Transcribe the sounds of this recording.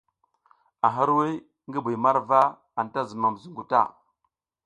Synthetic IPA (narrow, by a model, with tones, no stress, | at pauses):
a˨ɦa˦ɾwi˦ | ŋɡə˦bu˨jma˦ɾva˦ | a˨nta˦zə˨ma˨m˨zu˨ŋɡu˨ta̰˦˨